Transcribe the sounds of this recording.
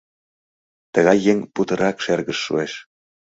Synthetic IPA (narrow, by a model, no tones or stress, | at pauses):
t̪əɣɑjːeŋput̪ə̆ɾɑkʃerɣəʃːṵeʃ